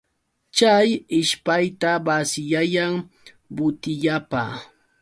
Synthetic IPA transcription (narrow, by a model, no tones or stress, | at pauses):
t͡ʃajɪʃpajt̪abasɪjajaŋ | bʊt̪ɪʎapa̰ː